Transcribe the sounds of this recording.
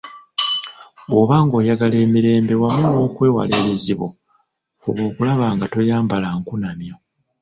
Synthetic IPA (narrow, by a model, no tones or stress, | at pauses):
oβaːŋɡo̞ːjaɡale̞ːmiɾe̞ːmbe̞wamuno̞ːkwe̞ːwa̰le̞ːβiziβo̰ | fuβo̞ːkulaβaːŋɡato̞jaːmbalaŋkunamjo̞